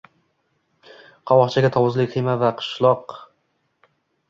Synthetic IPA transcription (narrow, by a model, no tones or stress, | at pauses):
qʰɒwɒqt͡ʃʰaɡʲat̪ʰɒwʊzlɪkʲχimavaqʰɨ̥ʃlˠɒq